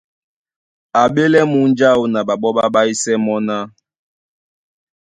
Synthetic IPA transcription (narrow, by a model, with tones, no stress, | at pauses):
a˨ɓe˦lɛ˦mu˨˦n˦d͡ʒa˦˨u˨na˨ɓa˨ɓɔ˦ɓa˦ɓa˦i˦sɛ˦mɔ˦na˦